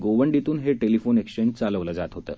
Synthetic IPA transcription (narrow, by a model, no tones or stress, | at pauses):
ɡoʋəɳɖit̪uːnɦeʈelifonekɕt͡ɕend͡ʒt͡saləʋləːd͡zat̪ɦot̪ə̰ː